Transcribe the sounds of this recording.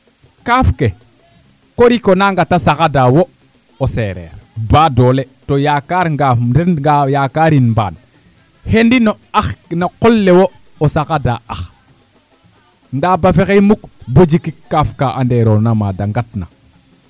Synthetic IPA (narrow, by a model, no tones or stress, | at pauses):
kafke | koɾikonaŋɡatasakadawo | oseɾɛ̰ːɾbaːdole | tojakaɾŋɡafdenɡajakaɾinmba̰ːn | hendino | axnaqolːewo | osakadaax | ndabafexejmukbəd͡ʒikikːafkaʔandeɾonama̰daŋɡatna̰